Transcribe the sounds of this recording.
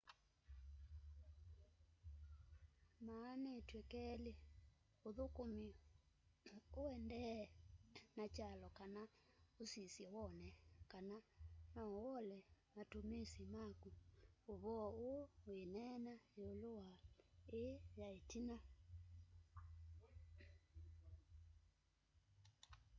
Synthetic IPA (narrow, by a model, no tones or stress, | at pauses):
maːnetwekɛle | oðokomi | oɛndɛ | nat͡ʃalɔkana | osisjɛwɔnɛkananawɔlɛmatomesimakuoβɔoowenɛnaeolowaejaetina